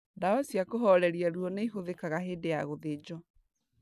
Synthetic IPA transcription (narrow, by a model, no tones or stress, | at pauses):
daɔsjakoɦɔɾɛɾiaɾuɔneiɦoðekaɣaɦeːdejaɣoðed͡ʑɔ